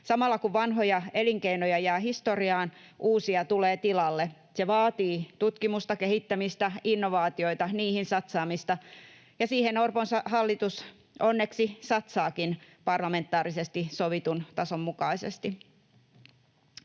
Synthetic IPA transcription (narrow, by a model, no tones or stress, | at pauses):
sɑmɑlːɑkuʋʋɑnɦojɑe̞liŋkeinojɑjæːhist̪oriɑːn | ʔuːsiɑt̪uleːt̪ilɑlːe | seʋɑːt̪iːt̪ut̪kimust̪ɑkehit̪ːæmist̪æinːoʋɑːt̪io̞it̪ɑniːhinsɑt̪sɑːmist̪ɑ | jɑsiːhenorponsɑhɑlːit̪us | onːe̞ksisɑt̪sɑːkinpɑrlɑme̞nt̪ːˑɑːɾisest̪isoʋit̪unt̪ɑsomːukɑisḛst̪i